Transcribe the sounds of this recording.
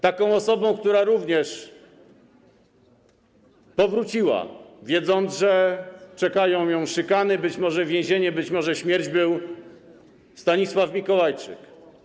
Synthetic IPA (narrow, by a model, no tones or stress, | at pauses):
t̪akɔ̃w̃ɔsɔbɔ̃w̃kt̪uɾaɾuvɲɛʂ | pɔvɾut͡ɕiwa̰vʲjɛd̪zɔnd̪zʐɛt͡ʂɛkajɔ̃w̃jɔ̃w̃ʂɘkanɘbɘt͡ɕmɔʐɛvʲjẽʑeɲɛbɘt͡ɕmɔʐɛɕmʲjɛɾd͡ʑbɘw | st̪aɲiswafmʲikɔwajt͡ʂɘ̰k